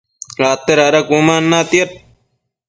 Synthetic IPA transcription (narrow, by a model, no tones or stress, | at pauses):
ɾaːt̪ːeɾɐɾɐkuːmaːnːaːt̪ijɐt̪̚